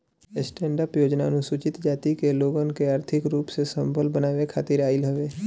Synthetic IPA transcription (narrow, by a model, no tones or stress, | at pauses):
sʈɛ̃ːɳɖəpjoːd͡ʒnanũsʊt͡ʃɪt̪d͡ʒaːt̪ikeloːɡankeaːɾt̪ʰɪkɾuːpsesə̃mbʱəlbənaːʋekʰaːt̪ɪɾaːɪlɦəʋeː